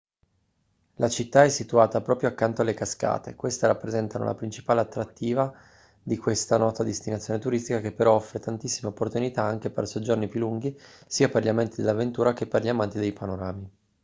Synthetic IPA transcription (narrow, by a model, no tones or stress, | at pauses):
lat͡ʃit̪ːaɛsːit̪uaːt̪apɾɔːpɾjoakːant̪oalːekaska̰ːt̪ḛkwest̪eɾapːɾezɛnt̪ano̰lʔa̰pɾint͡ʃi̥paːleat̪ːɾat̪ːiːva | d̪ikwest̪anɔːt̪ad̪est̪inat̪sːjoːnet̪uɾist̪ikakepːeɾɔɔfːɾet̪ant̪isːimeopːort̪unit̪aaŋk̟epḛrsod͡ʒornipjulːuŋɡisiːaperʎiamɛnt̪id̪elːavent̪uːɾakepːerʎiamant̪id̪ejpanoɾaːmi